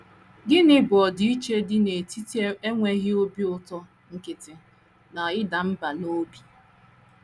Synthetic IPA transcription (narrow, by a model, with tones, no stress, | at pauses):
ɡɪ˦nɪ˦bʊ˨ɔ˨di˨˦i˦t͡ʃe˦dɪ˦ne˨ti˦te˦ŋʷe˦ɣɪ˦o˦bi˦ʊ˦tɔ˦ | ŋ̩˦kɪ˨tɪ˨ | na˨ɪ˦da˨m̩˦ba˨no˦bi˨